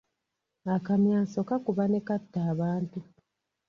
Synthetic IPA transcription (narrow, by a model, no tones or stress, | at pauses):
akamjaːso̞kakuβane̞katːaːβaːntu